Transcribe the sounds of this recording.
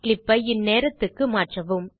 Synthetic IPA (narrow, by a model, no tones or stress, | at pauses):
klɪpːɐɪnːeːɾɐt̪ːɯkːɯmaːʈrɐʋɯm